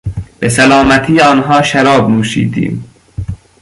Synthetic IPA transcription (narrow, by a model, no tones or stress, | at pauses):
b̥es̬ælɒːmæt̪ʰiːɒːnɦɒːʃæɾɒːbnuːʃḭːd̪ḭːm